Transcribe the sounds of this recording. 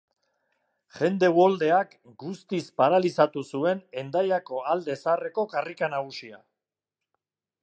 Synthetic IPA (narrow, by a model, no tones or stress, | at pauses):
ʝe̞nd̪e̞wo̞ld̪e̞ak | ɡust̪ispaɾalisat̪usue̞ne̞nd̪ajako̞ald̪e̞sare̞ko̞karikanaɣ̞usia